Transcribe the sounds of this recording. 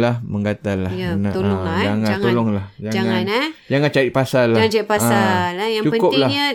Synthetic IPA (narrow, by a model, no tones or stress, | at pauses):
lahmə̃ŋɡat̪alahanaoɔŋad͡ʒaŋaŋt̪olɔŋlahd͡ʒad͡ʒaŋannɛd͡ʒaŋant͡ʃait̪̚pasalːaaant͡ʃait̚paalajaŋt͡ʃuəkʊp̚laɲə